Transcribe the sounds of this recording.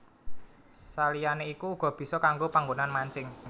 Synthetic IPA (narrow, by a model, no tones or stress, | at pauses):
salijaneikuːɡ̥ɔ̤b̥i̤sɔkaŋɡopaŋɡonanmaɲt͡ʃɪŋ